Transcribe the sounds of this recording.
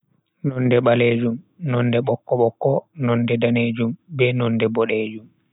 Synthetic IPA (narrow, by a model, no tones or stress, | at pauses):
nɔndɛɓaleːd͡ʒum | nɔndɛɓɔkːɔɓɔkːɔnɔndɛdaneːd͡ʒumbɛnɔndɛbɔɗeːd͡ʒum